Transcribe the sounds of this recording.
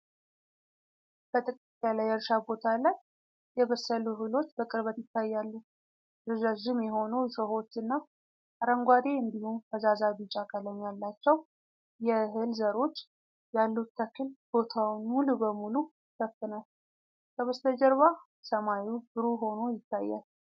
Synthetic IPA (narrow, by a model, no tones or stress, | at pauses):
bət̪ʼɨkʼit̪ʼːalajɛɾʃabo̞t̪ʰalaj | jɛβəsːəluɦɨlo̞t͡ʃːbəkʼɨɾβət̪jɪt̪ːajːalːu | ɾɨzaʒɪmjɛɦo̞nojɛsəho̞t͡ʃːɨnːa | ʔaɾəŋɡʷad̪e̞ɨnd̪ihumkʰəzazabit͡ʃʼakʼələɲːalːat͡ʃːɛw | jɛɦɨlzəɾo̞t͡ʃː | jalːut̪ʰːəkʰːɨlb̥o̞t̪ʰawnmulubəmulu | fʰəfkːɨnal | kʰəβəst̪ʰəd͡ʒəɾβa | səmajubɨɾuɦo̞no̞jɪt̪ʰːajːa̰l